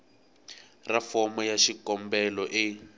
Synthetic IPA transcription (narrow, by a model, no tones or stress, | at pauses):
rafɔmɔjaʃikɔmbɛlɔʔɪ